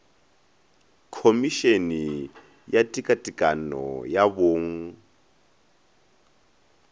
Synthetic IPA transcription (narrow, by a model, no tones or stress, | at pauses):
kʰomiʃeni | jatʼikʼatʼikʼanɔ̰jaboːŋ̩